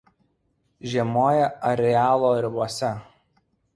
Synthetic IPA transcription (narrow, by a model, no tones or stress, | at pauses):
ʒʲiɛmoːjɛɐɾʲɛæːlˠoːɾʲɪboɔsʲɛ